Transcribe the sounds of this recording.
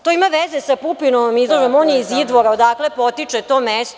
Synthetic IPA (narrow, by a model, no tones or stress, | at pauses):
t̪oimaʋezesapupinomizlˠoʒemonjeizid̪ʋo̞ɾaod̪aːklepo̞t̪it͡ʂet̪omest̪